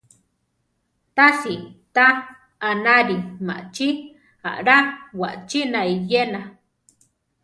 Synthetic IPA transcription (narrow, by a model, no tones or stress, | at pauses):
t̪asit̪aː | naɾima̰ʔt͡ʃi | a̰ʔɾawa̰ʔt͡ʃinaijena